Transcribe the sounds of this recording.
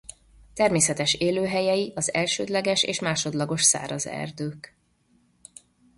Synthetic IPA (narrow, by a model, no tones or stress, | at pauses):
t̪ɛrmeːsɛt̪ɛʃeːløːɦɛjɛjiʔɒzɛlʃøːd̪lɛɡɛʃḛːʃmaːʃo̞d̪lɒɡo̞ʃsa̰ːɾɒzɛ̰rd̪øːk